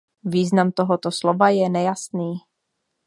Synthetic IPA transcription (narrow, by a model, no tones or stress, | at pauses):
viːznamt̪oɦot̪oslovajɛnɛjasniː